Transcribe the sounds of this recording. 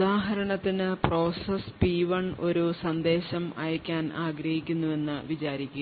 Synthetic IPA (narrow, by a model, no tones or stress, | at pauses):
d̪aːɦɐɾɐɳɐt̪ːinɨpro̞ːsɐspiːʋɐɳo̞ɾusɐnd̪e̞ːɕɐmɐ̰jɐkʲːaːnaːɡɾɐhikʲːunːue̞nːɨʋit͡ɕaːɾikʲːu